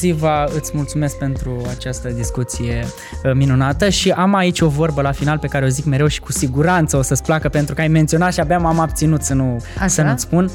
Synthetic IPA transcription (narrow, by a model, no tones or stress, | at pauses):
zivaɨt̪sʲmult̪sume̞sk̚pe̞nt̪ɾuat͡ʃast̪əd̪iskut̪sije̞ | minunat̪əʃiʔamait͡ʃʲo̞vo̞rbəlafinalpe̞kaɾe̞o̞zikme̞ɾe̞wʃi̥kusiɡuɾant̪səo̞səsplakəpe̞nt̪ɾukajment̪sio̞nat̪ʃiabjamamab̚t̪sinut̪sənusənut̪spun